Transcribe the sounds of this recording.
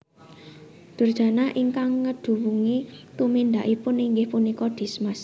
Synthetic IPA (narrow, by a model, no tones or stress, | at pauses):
d̪̥ṳrd̥ʒ̥a̤naʔiŋkaŋːəɖ̥ṳwuŋit̪umind̪aʔipʊniŋɡɪhpunikɔd̪̥i̤smas